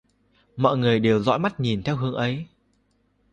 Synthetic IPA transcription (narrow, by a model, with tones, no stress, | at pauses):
mɔ̰˧˨jŋɨ˨˩əjɗe˨˩wzɔ̰˧˥jma˦˥t̚ɲi˨˩nt̪ʰɛ˧wɦɨ˨˦əŋʔə˨˦j